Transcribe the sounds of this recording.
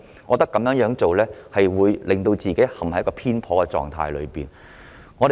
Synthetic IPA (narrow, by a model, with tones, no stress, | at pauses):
ŋɔː˨˧t̪ɐ˥kːɐ˨˧˥mjœː˨˥ŋjœː˨˥ŋt͡so˨wlɛː˥hɐ˨jwuː˨˧jlɪ˨˩ŋt̪o˧wt͡siː˨ke˨˥jhɐ˨mhɐ˨˥jkɔː˧pʰiː˥npʰɔː˨˧kɛ˧t͡sɔ̰ː˨˩ŋt̪ʰa̰ː˧jlɵ̰˨˧ɥpiː˨˩n | ŋɔː˨˧ɾ